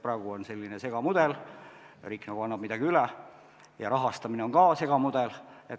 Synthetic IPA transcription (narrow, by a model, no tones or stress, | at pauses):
prɑˑːɡ̥uonse̞lʲːinese̞ɡ̥ɑmud̪̥el | riːkːˑnɑɡuɑnːɑb̥mid̪ɑɡ̥iylɛ | jɑ̰ɾɑɦɑst̪ɑmineo̞ŋkɑːse̞ɡ̥ɑmud̪̥elet̪